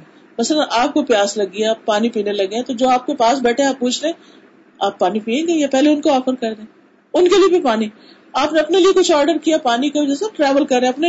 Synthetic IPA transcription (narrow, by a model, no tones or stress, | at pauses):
mɐslənʔaːp̚kopjaːslɐɡːijapaːnipiːnelɐɡẽt̪od͡ʒoːaːp̚kepaːs̬bɛːʈʰeẽaːpːuːt͡ʃʰɾeẽː | aːpːaːnipiːẽːɡejapɛɦleʊnkoɔːfəɾkɐɾd̪ẽː | ʊnkeliebʱipaːni | aːpneɐpneliekʊt͡ʃʰɔːɾɖəɾkijapaːnikod͡ʒɛːsaʈɾɛːʋəlkɐɾːẽɐpne